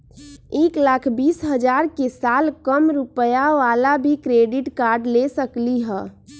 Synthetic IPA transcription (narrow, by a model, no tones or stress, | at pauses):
eklakʰbisɦəd͡ʒaɾkesalkəmɾupəjaʋalabʱikɾeɖiʈkaɾɖlesəkliɦə̃